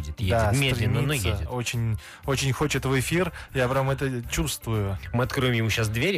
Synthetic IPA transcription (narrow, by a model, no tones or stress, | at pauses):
dʲɪt̪jed̪aɪmʲeɾlɪnʲəinojseədʲɪt̪o̞t͡ɕɪnʲ | o̞t͡ɕɪnʲxot͡ɕɪt̪vɨfʲirjapɾʲamɛt̪ət͡ɕust̪vʊjʊmɨɐt̪kɾojɪmjɪmuɕːasd̪vʲeɾʲ